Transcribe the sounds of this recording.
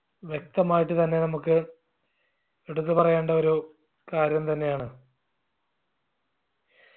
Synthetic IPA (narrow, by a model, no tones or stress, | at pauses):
ʋje̞k̚t̪ɐmaːjiʈ̬ːɨt̪ɐnːe̞nɐmukːɨ | eɽut̪̬ːɨpɐrɐjeːɳɖɐoɾu | kaːɾjɐmt̪ɐnːe̞jaːɳɨ